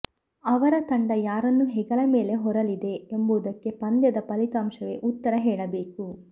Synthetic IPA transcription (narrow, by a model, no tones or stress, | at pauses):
ɐʋɐɾɐt̪ɐɳɖɐjaːɾɐnːuɦɛɡɐlɐmeːleɦɔɾɐlid̪e̞embuːd̪ɐkːe̞pɐnd̪jɐd̪ɐpɐlit̪aːmʃɐʋeʔut̪ːɐɾɐɦɛːɭɐbeːku